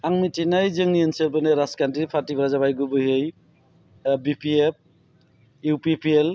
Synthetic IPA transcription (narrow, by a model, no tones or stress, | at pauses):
aŋmitinajzɯŋnienselbɯneɾaskantipʰatibɾazaβajɡubɯɦɯj | bipiep̚ | upipiel